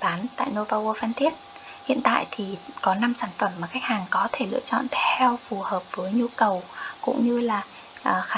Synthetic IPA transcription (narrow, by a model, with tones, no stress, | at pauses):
ɓaː˨˦nt̪a̰ː˧˨jno˧vaː˧ʔo˧faː˧nt̪ʰi˦˥ət̚ | hḭ˧˨ənt̪a̰ː˧˨jt̪ʰi˨˩kɔ˨˦na˧msaː˧˩nfə˧˩mːaː˨˩xa˦˥jk̚haː˨˩ŋkɔ˨˦t̪ʰe˧˩lɨ̰˧˥ət͡ɕɔ̰˧˨nt̪ʰɛ˧wfu˨˩həː˨˩p̚v̥əː˨˦jɲu˧kə˨˩wkʊ̰˧˥ŋ͡mɲɨ˧laː˨˩ | ʔəː˨˩xaː˨